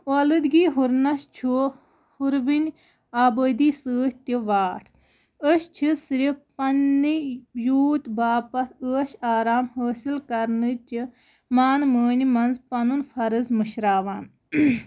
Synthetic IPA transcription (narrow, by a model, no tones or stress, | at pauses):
olɨd̪ɡiːɦuɾnɐʃt͡ʃʰu | huɾʋinʲ | aːbəːd̪iːsəːɦt̪iʋaːʈʰ | əʃt͡ʃʰisɾipɐnːijuːt̪baːpɐt̪ʰəːʃaːɾaːmhəːsilkɐɾnɨt͡ʃi | maːnməːnʲimɐnzpɐnunfʰɐɾɨzmɨʃɾaːʋaːn